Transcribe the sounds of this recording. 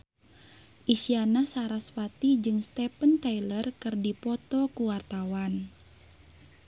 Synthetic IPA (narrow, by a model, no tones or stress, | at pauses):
ʔisianasaɾasfat̪id͡ʒɨŋst̪ɛpənt̪ailərkɨrdipɔt̪ɔkuwart̪awan